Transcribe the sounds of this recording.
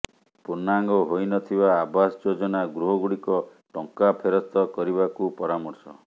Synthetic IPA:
puɾnaŋɡɔɦojnɔt̪ʰibaːbasd͡ʒod͡ʒɔnaɡɾuɦɔɡuɽikɔ | ʈɔŋkapʰeɾɔst̪ɔkɔɾibakupɔɾamɔɾsɔ

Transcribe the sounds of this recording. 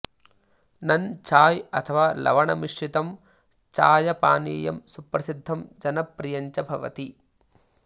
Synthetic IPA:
nɐnt͡ʃaːjɐt̪ʰɐʋaːlɐ̰ʋɐɳɐmiʂɾit̪ɐm | t͡ʃaːjɐpaːniːjɐmsupɾɐsid̪ʱːɐmd͡ʒɐnɐpɾijɐɲt͡ʃɐbʱɐʋɐ̰t̪i

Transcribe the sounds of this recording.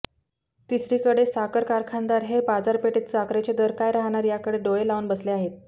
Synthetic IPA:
t̪isɾiːkəɽesakəɾkaɾkʰand̪aɾɦepad͡zaɾpeʈet̪sakɾet͡ɕed̪əɾkajɾaɦɳ̃aɾjakəɽeɖoelaʋunbəsleaɦet̪̚

